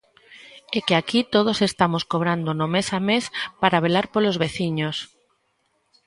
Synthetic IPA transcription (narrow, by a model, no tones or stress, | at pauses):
ekeakit̪oð̞osest̪amoskoβɾand̪onomesamespaɾaβ̞elaɾpolozβeθiɲos